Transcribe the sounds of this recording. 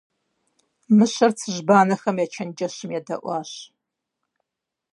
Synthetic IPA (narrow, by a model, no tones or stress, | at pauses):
mɨɕɐrt͡sʰɨʒbaːnɐxɐmjɛt͡ʃʰɐnd͡ʒɐɕɪmjɛdɐ̰ʔʷɑːɕ